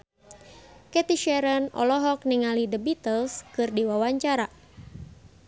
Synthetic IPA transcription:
kɛt̪iʃɛɾənɔ̰lɔɦɔk̚niŋalidəbit̪əlskɨrdiwawaɲt͡ʃaɾa

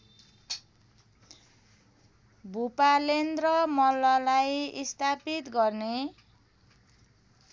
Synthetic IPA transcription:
bʱupalend̪rʌmʌlːʌlajist̪apit̪ɡʌrne

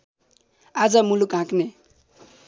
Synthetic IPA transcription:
ad͡zʌmulukɦãkne

